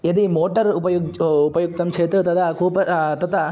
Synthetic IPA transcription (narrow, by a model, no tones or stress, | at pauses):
ɐd̪imoːʈɐɾupɐjuupɐjuk̚t̪ɐmt͡ʃʰeːt̪ɾɐt̪ɐt̪ɐkuːpɐt̪ɐt̪ɐ